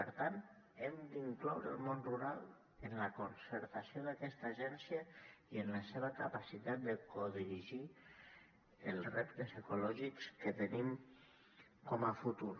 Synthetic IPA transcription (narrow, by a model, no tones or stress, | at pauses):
pəɾt̪ant̪ɛmd̪iŋklɔwɾə̰lˠmonruɾalˠ | ənləkonsəɾt̪asioðakɛst̪əʒɛnsjəiənləseβ̞əkapasit̪at̪̚d̪əkoðiɾiʒi | əlˠsrept̪əsekulɔʒikskət̪ənim | kɔməfut̪uɾ